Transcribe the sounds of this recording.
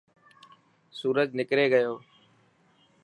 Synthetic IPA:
suːɾəd͡ʒnɪkɾeːɡəjoː

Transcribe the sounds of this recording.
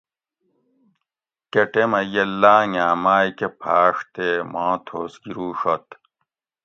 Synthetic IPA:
keʈemɐjɐlːaːŋaːmaːjkepʰaːʂt̪emãːt̪ʰoːsɡiɾuːʂot̪

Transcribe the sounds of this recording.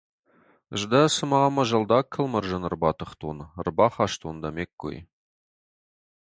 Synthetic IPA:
əʒd̪ɑsəmɑməʒɑlˠd̪ɑkʲʰːəlˠməɾʒɑnərbɑt̪əχt̪unrbɑχɑʃt̪und̪ɑmekːɵ̰j

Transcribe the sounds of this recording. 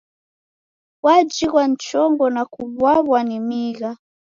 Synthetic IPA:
wad͡ʒiɣwant͡ʃɔŋɡɔnakuβwaβwanimiɣa

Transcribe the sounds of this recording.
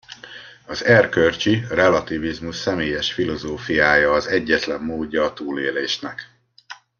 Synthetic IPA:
ɒzɛrkørt͡ʃirɛlɒt̪ivizmuʃsɛmeːjɛʃfilo̞zoːfijaːjɒːzɛɟːɛt̪lɛmːoːdːɒːt̪uːleːleːʃnɛk

